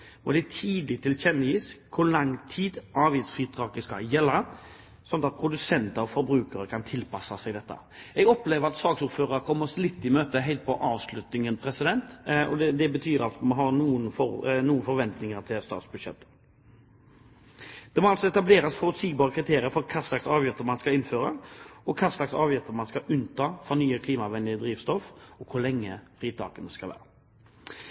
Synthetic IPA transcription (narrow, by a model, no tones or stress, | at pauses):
mɔd̪ɪt̪ʰiːd̪lɪt̪ʰɪlçɛnːəiːskʰʊlɑŋt̪ʰiːd̪ʔɑːʋiːsfɾiːt̪ʰɾɑːkəskɑ̰jɛlːɑ | sɔnt̪ɑt̪̚pʰɾʊd̪ʉsɛnt̪əɾɔfɔɾbɾʉːkəɾəkʰɑnt̪ʰɪlpɑsɑsɛɡd̪ɛt̪ːə̰ | ɛɡɔpleːʋəɾɑt̪sɑːɡsʊɾføːɾəɾkʰɔmːəslɪt̪ːɪmøːt̪əɦɛɪlt̪̚pʰɔʔɑːʋslʉt̪nɪŋənpʰɾɛsɪd̪ɛnt̪ɔd̪ɛd̪ɛbət̪ʰyːɾɑlt̪mɑnɦɑɾnuːənfɔnuːənfɔɾʋɛnt̪nɪŋəɾt̪ʰɪlst̪ɑ̰ːt̪sbʉd̪ʂjɛ̰t̪ː | d̪̥ɛmɔɑlsɔɛt̪ɑbleːɾəsfɔɾʉt̪siːɡ̚bɑːɾəkʰɾɪt̪ʰeːɾɪəɾfɔɾkʰɑːslɑksɑːʋjɪft̪əɾmɑnskɑɪnføːɾəɔkʰɑslɑksɑːʋjɪft̪əɾmɑnskɑʔʉnt̪ʰɑːfɔnyːəkʰliːmɑʋɛnd̪ɪəd̪ɾiːʋst̪ɔfɔkʰʊlɛŋːə̰fʁiːt̪ʰɑ̰ːkənəskɑlʋæ̰ːɾə